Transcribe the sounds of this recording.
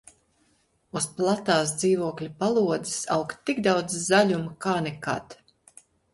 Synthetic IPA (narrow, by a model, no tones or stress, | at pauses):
usplˠat̪aːs̬d̪ziːvuɔklʲupalˠuɔd̪i̥sawkt̪ːiɡd̪awd̪zzaʎʲumakaːnɛka̰t̪